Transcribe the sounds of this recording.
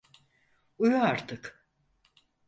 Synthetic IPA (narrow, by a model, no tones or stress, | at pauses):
ujuaɾt̪ʰɯk